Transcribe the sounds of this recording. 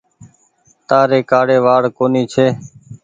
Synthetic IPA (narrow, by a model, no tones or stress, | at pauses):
t̪aːɾeːkaːɽeːʋaːɽkoːniːt͡ʃʰeː